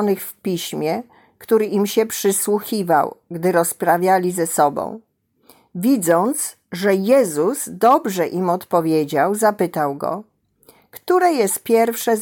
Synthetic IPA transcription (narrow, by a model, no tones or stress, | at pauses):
nɘxfpʲiɕmʲjɛ | kt̪uɾɘʔimɕɛpʂɘswuxʲiva̰wɡd̪ɘɾɔspɾavʲjalʲizɛsɔbɔ̰̃w̃ | vʲid̪zɔnt̪s | ʐɛjɛzuzd̪ɔbʐɛʔimɔt̪pɔvʲjed͡ʑawzapɘt̪awɡɔ̰ | kt̪uɾɛjɛst̪̚pʲjɛɾfʂɛ